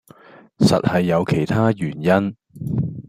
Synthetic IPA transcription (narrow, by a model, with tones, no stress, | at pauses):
sɐ̰˨t̚hɐ˨jːɐ˨˧wkʰe˨˩jt̪ʰaː˥jyː˨˩njɐ˥n